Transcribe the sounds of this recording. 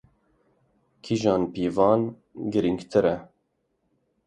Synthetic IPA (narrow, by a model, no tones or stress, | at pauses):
kʰiʒɑːnpiːvɑːn | ɡɨɾiŋɡt̪ʰɨɾɛ